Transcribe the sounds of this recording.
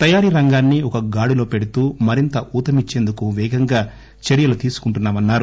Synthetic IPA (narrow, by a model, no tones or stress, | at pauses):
t̪ɐjaːɾiɾɐŋɡaːnːiɔkɐɡaːɽilo̞ːpe̞ɽut̪uːmɐɾint̪ɐʔuːt̪ɐmit͡ʃːe̞ːnd̪ukuʋɛːɡɐŋɡaː | t͡ʃeɾijɐlut̪iːsu̥kuɳʈunːaːmɐnːaːɾu